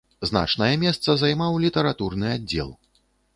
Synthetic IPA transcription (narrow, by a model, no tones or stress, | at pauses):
zna̰t͡ʂn̪ɐjɛmʲɛst̪sɐzajmawlʲit̪ɐɾat̪urnɨad͡zʲɛ̰lˠ